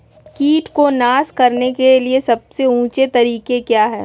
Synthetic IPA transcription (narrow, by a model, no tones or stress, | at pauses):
kiːʈkonaːskɐɾnekeliesɐb̚seũːt͡ʃet̪ɐɾiːkekjaːɦɛ̰ː